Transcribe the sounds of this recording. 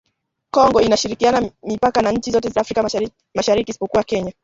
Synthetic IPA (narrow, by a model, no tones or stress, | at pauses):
kɔŋɡɔinaʃiɾikianamipakanaɲ̩t͡ʃizɔtɛzafɾika | maʃaɾikiːsi̥pɔkuwakɛɲa